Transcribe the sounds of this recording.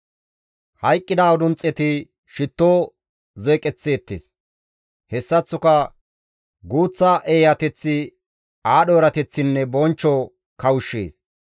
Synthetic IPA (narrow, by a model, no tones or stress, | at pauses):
hɐjkʼːɪd̪aːwʊd̪ʊnt͡sʼːɛt̪ɪ | ʃɪt̪ːoː | zeːkʼɛt͡sːeːt̪ːḛːs | hɛsːɐt͡sːʊkɐ | ɡuːt͡sːɐʔeːjɐt̪ɛt͡sːɪ | aːɗoːɾɐt̪ɛt͡sːɪnːɛbɔnt͡ʃːɔ | kɐwʊʃːḛːs